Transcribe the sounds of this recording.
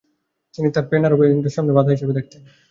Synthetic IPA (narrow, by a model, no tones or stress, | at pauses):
t̪init̪aɾpenaɾobiindeɾʃamnebad̪ʱaɦiʃebed̪ek̚ʰt̪en